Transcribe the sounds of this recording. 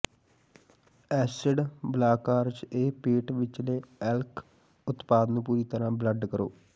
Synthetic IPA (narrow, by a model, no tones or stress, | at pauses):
ɛːsɪɖblaːkaːɾd͡ʒeːpeːʈʋɪt͡ʃleːɛlkʰ | ʊt̪paːd̪nũːpuːɾiːt̪əɾãːbləɖkəɾo̰ː